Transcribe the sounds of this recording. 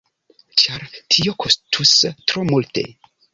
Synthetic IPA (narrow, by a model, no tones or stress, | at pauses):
t͡ʃaɾtʰio̞kʰo̞stʰustɾomulte̞̰